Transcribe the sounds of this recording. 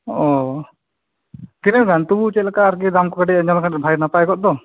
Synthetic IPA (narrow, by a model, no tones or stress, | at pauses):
ɔ | kinɛɡant̪ubut͡ʃɛlakaːɾk̬id̪amkɔkaʈɛad͡ʒɔnakʰaʈɛbʱajɾnapajkɔʔ̚d̪ɔ